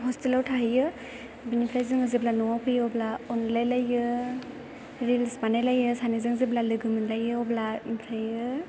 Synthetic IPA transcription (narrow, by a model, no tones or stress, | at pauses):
ɦɔstilawtʰaɦɯjɯ | binipʰɾajzɯŋɯziblanɔapʰɯjɔblaɔnlajlajɯ | ɾilsbanajlajɯsanizɯŋziblalɯɡɯmɯnlajɯɔblapʰɾajɯ